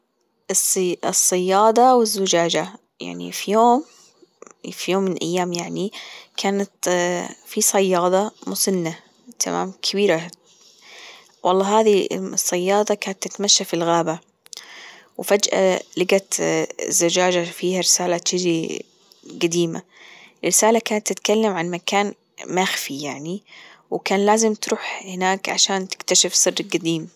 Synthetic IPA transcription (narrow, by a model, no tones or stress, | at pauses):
ʔɨssˤːɑjːɑːd̪ˤɑwɪzːʊd͡ʒaːd͡ʒa | ja̰ʕnḭfijoːm | fijoːmːɪnʔa̰jːaːmjaʕnikʰaːnat̪ | fisˤɑjːɑːd̪ˤɑmʊsɪnːa | t̪ʰa̰ma̰ːmkʰɪbiːɾa | wʔɑlˤːɑːɦaːðisˤːɑjːɑːd̪ˤɑkaːnat̪ːɪt̪maʃːafilɣaːba | wfad͡ʒʔa̰lɪɡat̪zːad͡ʒaːd͡ʒafiːhaɾɪsaːlat̪ɪd͡ʒi | ɡad̪iːma̰rːɪsaːlakaːnat̪ːɪt̪kalːamʕanmakaːn | maxfijaʕniwkaːnlaːzɪmt̪ɾuːħhɪnaːkʕa̰ʃaːnt̪ɪ̥kt̪aʃɪfsˤɨrːɡad̪iːm